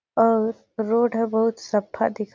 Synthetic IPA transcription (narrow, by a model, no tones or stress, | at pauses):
ɔːɾː | oːɖəbɐɦʊt̪sɐbʰa̰d̪ɪkʰ